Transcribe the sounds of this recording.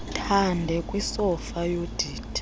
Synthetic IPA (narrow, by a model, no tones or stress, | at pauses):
tʰandʱɛkʼwisɔfajod̥ʱiːtʰ